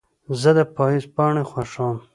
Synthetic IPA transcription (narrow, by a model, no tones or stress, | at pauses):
zəd̪əpɑizpɑːɳexwaʂam